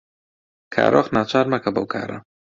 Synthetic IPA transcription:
kʰa̰ːɾʔoχnaːt͡ʃʰaːɾmɐkɐbɐ̰wkʰa̰ːɾɐ̰

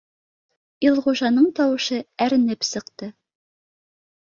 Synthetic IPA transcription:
ilˠʁuʒɑnɤɴt̪ɒwɤ̆ʃɤæɾɘ̆nɘpsɤ̆qt̪ɤ

